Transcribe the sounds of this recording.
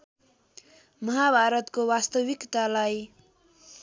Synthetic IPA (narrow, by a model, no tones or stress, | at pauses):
mʌɦabʱaɾʌt̪kowast̪ʌwikt̪alaj